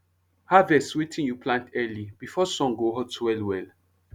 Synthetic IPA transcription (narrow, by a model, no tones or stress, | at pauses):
havɛswetʰĩnjupʰlãntʰɛlibifɔsɔ̃ŋɡoɦɔdswɛlwɛl